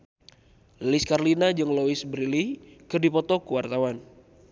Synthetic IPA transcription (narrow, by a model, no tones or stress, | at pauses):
liskarlinad͡ʒɨŋloisbɾilihkɨrdipɔt̪ɔkuwart̪awan